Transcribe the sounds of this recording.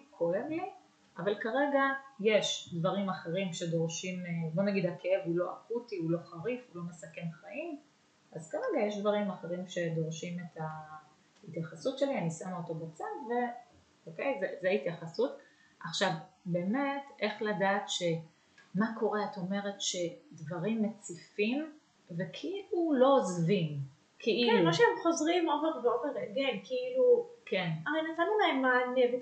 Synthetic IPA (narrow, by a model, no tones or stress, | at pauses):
kʰo̞evli | ʔavalkaʁe̞ɡajeʃdvaʁimaχe̞ʁimʃe̞do̞ʁʃimbo̞naɡid̪hakee̞vulo̞ʔakutiulo̞χaʁifulo̞mesake̞nχaʔim | azkaʁeɡajeʃdvaʁimaχe̞ʁimʃe̞do̞ʁʃime̞ta | hitjaχasutʃelianisamoto̞bat͡sadve̞ | okejzezeitjaχasut | ʔaχʃavbe̞ːme̞te̞χladaːtʃe̞ | makʰo̞ʁeato̞me̞ʁe̞tʃe̞dvaʁimːet͡sifim | ve̞kʰiilulo̞zvim | kʰeʔilnuloʃeemχo̞zʁimoveʁveoveʁeɡemkiilukenaʁenatanulaemmaneɡi